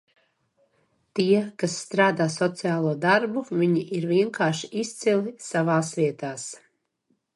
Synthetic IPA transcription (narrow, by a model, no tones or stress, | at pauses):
t̪iɛkasːt̪ɾaːd̪aːsɔt̪sɨjaːlˠuɔd̪aɾbuviɲiʔiɾviɛŋkaːʃiʔist̪silˠisavaːsviɛt̪aːs